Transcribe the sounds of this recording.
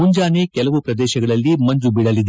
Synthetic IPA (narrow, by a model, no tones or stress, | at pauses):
uɲd͡ʒaːneːkɛlɐʋupɾɐd̪ɛːʃɐɡɐɭɐlːimɐɲd͡ʒubiɽɐlid̪